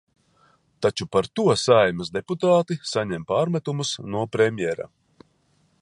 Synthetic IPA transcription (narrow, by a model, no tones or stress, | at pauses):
t̪at͡ʃupaɾt̪uɔsajmɨsd̪eput̪aːt̪isaɲɛmpaːɾmɛt̪umusnuɔpɾemʲjɛɾa̰